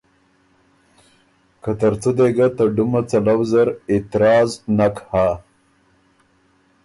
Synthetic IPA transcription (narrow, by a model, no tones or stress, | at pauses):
kat̪əɾt͡sod̪eɡat̪aɖumat͡salawzaɾɪt̪ɪɾɑːznakha